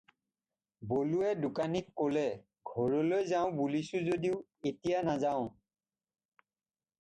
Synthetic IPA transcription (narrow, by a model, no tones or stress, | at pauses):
boluɛdʊkanikkːolɛ | ɡʱɔɹɔlojzaʊ̃bulisʊzodiʊetijanazaʊ̃